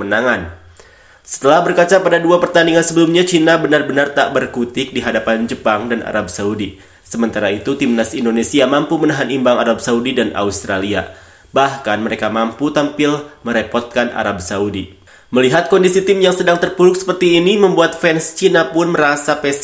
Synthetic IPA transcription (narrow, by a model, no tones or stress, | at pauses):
mənaŋan | sə̥t̪əlahbərkat͡ʃapadaduapərt̪aniŋansəbəlumɲat͡ʃinabənarbənart̪aʔbərkut̪ɪk̚diɦadapand͡ʒəpaŋdanʔa̰ɾab̚saudi | səmənt̪aɾait̪ut̪imnasindonesiamampumənaɦanimbaŋaɾab̚saudidanʔa̰ust̪ɾalia̰ | bahkanməɾekamamput̪ampɪlməɾepɔrt̪̚kanʔa̰ɾab̚saudi | məliɦat̪̚kɔndisit̪ɪmjaŋsədaŋt̪ərpuɾʊk̚sə̥pərt̪iːniməmbuat̪̚fɛnst͡ʃinapʊnməɾasapɛ